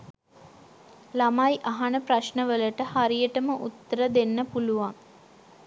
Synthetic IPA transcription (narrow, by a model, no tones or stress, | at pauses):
lamajʔaɦanəpɾaʃnəʋələʈəhaɾijəʈəməʔut̪ːəɾəd̪enːəpuluʋaŋ